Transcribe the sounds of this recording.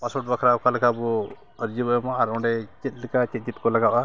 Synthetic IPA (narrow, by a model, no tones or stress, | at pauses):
pasɔʈ̚bakʰɾaɔkalɛkabɔ | əɾd͡ʒibɔjɔmaaɾɔɳɖɛt͡ʃit̪̚ˀlikat͡ʃɛt̪̚t͡ʃit̪̚kɔlaɡaʔa